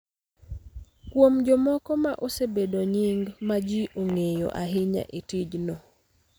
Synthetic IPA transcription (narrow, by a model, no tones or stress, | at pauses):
kwomd͡ʒɔmɔkɔmaʔosebedoɲiŋɡmad͡ʒiʔoŋejo̰ʔaɦɪɲa̰ʔetid͡ʒnɔ